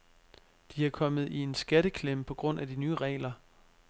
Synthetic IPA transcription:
d̥iækʰɒ̽mð̩ˠie̝nsɡ̥æɾəkʰlem̰pʰɒ̽ɡ̥ʁɔ̽n̰ʔæd̥inyːəʁɛ̰ːlɐ

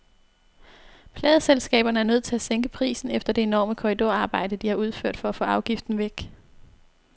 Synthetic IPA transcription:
pʰlɛːðˠəselsɡ̥ɛ̰ːb̥ɐnəæɐnøð̞̰ˠt͡sʰe̝æseŋɡ̥əpʰʁḭːsn̩efd̥ɐd̥e̝e̝nɒ̰ːməkʰɒʁid̥o̝ɐɑ̈ːb̥ɑ̈ɪ̰d̥əd̥ihɑ̈uð̞ˠføɐ̰d̥fɒ̽æfɔ̰ːɑ̈ʊɡ̥ifd̥n̩ʋeɡ̥

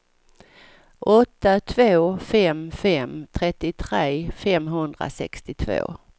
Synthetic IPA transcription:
ʔɔt̪ːat̪ʰvoːfɛmfɛmt̪ʰɾɛt̪ːɪt̪ʰɾeːfɛmɦɵnd̪ɾa̰sɛ̰kst̪ɪt̪ʰvo̰ː

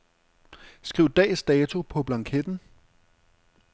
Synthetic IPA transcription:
sɡ̥ʁiʊ̰d̥ɛ̰ːsd̥ɛːt͡sʰo̝pʰɒ̽b̥lɑ̈ŋkʰed̥n̩

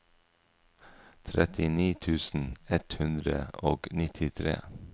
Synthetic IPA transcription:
t̪ʰɾɛt̪ɪniːt̪ʰʉːsn̩ɛt̪hʉnd̪ɾəoːɡnɪt̪ʰɪt̪ʰɾḛː

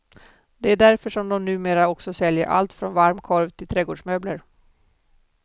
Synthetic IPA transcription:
d̪ɛæɖæɾfəʂɔmd̪ɔmnʉ̟ːmeːɾaɔksɔsɛljəɾʔa̰lt̪fɾɔnvaɾmkʰɔɾvt̪ʰɪlt̪ʰɾɛːɡoːɖʂmøːbləɾ

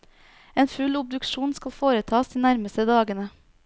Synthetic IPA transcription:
eːnfʉlʊb̚d̪ʉkʃuːnskɑlfoːɾət̪ʰɑːsd̪iːnæɾməst̪əd̪ɑːɡənə

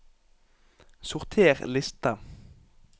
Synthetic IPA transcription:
sʊʁt̪ʰeːʁlɪst̪ɑ

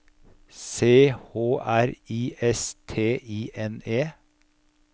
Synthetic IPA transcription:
seːhoːʔæɾiːʔɛst̪ʰeːʔiːʔɛneː

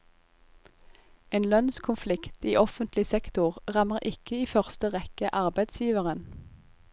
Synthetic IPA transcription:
eːnlœnskʰʊnflɪkt̪iːʔɔfənt̪lɪsɛkt̪ʊʁʁɑməʁʔɪkəiːfœʁst̪əʁɛkəʔɑʁbæɪd̪sjiːʋəʁən

